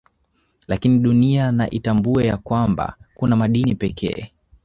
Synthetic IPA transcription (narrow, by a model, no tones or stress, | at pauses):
lakiniɗuniana̰ʔitambuɛjakwamba̰kunamaɗinipɛkʰɛ̰ː